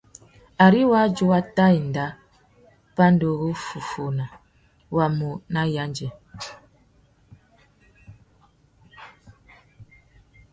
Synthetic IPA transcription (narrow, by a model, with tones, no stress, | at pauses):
a˨ɾi˦wa˦d͡ʒo˦wa˦ta˦i˨n̩˨da˦ | pa˦n˦do˨ɣo˦fu˨fo˨na˨ | wa˨mo˨na˦ja˦nd͡ʒɛ˨